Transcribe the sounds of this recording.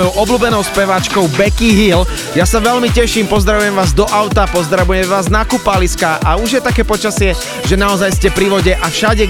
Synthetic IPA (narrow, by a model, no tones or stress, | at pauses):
jɔʊɔbluːbɛnɔʊspɛʋat͡ʃkɔʊbɛkiɦiːl | jasaʋɛʎmicɛʃiːmpɔzd̪ɾaʋujɛmʋaːzd̪ɔʔaʊt̪apɔzd̪ɾaʋujɛmʋaːznakupaliskaʔauʒjɛt̪akɛːpɔt͡ʃasɪɛ | ʒɛnaɔzajscɛpɾiʋɔɟɛʔafʃaɟɛ